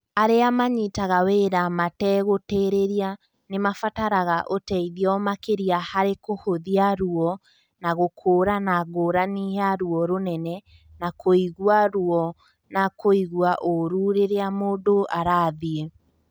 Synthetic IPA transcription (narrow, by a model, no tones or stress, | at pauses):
aɾeamaɲitaɣaweɾamatɛɣoteːɾeɾia | nemafataɾaɣaʔotɛiðiɔmakeɾiahaɾekohoðiaɾuɔ | naɣokʰoːɾanaɣoɾaniaɾuɔɾonɛnɛ | nakʰoiɣwaɾuɔ | nakoiɣwaʔoɾuːɾeɾeamoːdoʔaɾaːðie